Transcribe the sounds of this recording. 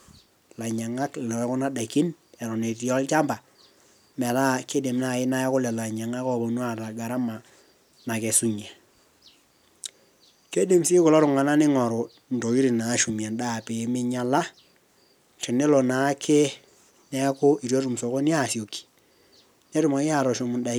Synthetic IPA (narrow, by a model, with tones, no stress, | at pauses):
la˨ɲa˨ŋa˦kllɔ˨˦kʊ˦na˦da˨ki˦n | ɛ˨ɾɔ˨ne˨ti˦ɔ˦lt͡ʃa˦mba˨ | mɛ˨ɾa˦ke˦de˨m˦na˨ɪ˦na˦ja˦kʊ˦lɛ˨la˨ɲa˨ŋa˦kɔ˦˨bo˨nwa˦ta˨ɡa˨ɾa˦ma˨ | na˨ke˨su˦ɲɛ˨ | ke˦de˨msi˦kʊ˨lɔ˦ɾʊ˨ŋa˨na˦nɪ˦ŋɔ˨ɾo˨ | n̩˨do˨ki˦ɾi˨na˨˦ʃu˨mja˨nda˦˨pe˨˦mɪ˦ɲa˦la˦ | te˨ne˦lo˨na˨˦kʰe˦ | nɛ˦kʊ˦i˨ɾjo˦ɾu˨mso˨ko˦n˦a˦˨si˨o˨kːi̥˨ | ne˦ɾu˨mɔ˨˦ja˦˨ɾɔ˨ʃu˨mu˨nda˨